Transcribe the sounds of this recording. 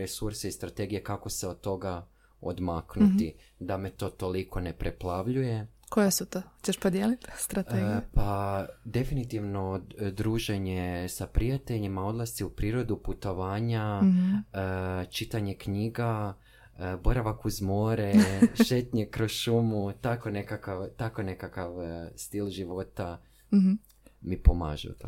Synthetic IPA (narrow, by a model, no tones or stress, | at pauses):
ɾesuɾseist̪ɾat̪e̞ɡijekako̞seod̪̚t̪ːo̞ɡa | o̰d̪maknut̪i | d̪ame̞t̪o̞ːt̪o̞liko̞nepɾeplˠaʋʎuje̞kojesut̪ohot͡ɕeʃpod̪jelit̪st̪ɾat̪eɡpad̪e̞finit̪iʋno̞d̪ɾuːʒe̞ɲesapɾijat̪e̞ʎimao̞d̪lˠast̪iupɾiːɾo̞d̪uput̪o̞ʋaːɲa | t͡ʃit̪aɲe̞kɲiːɡa | bo̞ɾaʋakuzmo̞ːɾeʃet̪ɲekɾozʃumut̪akone̞kakaʋt̪ako̞ne̞kakaʋst̪ilˠʒiʋo̞t̪a | mipoma̰ːʒɛ̰ṵt̪o̰